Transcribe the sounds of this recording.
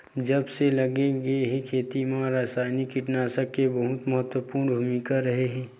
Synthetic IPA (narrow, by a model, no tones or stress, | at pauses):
d͡ʒɐbselɐɡeɡeɦekʰeːt̪imãɾaːsaːɪnikɪʈnaːsəkebəɦʊt̪məɦət̪wəpuːɾnbʱuːmikaɾɐɦeɦɛ̃ː